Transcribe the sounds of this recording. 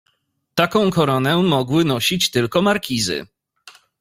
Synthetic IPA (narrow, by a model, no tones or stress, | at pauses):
t̪akɔ̃w̃kɔɾɔnɛmɔɡwɘnɔɕit͡ɕt̪ɘlkɔmaɾkʲizɘ̰